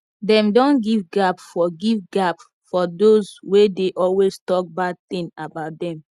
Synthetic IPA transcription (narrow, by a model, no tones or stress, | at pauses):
dɛ̃mdɔ̃nɡivɡapfɔɡivɡap | fɔdozwedeʔɔlwestɔk̚bad̚t̪ĩnabaʊt̚dɛ̃m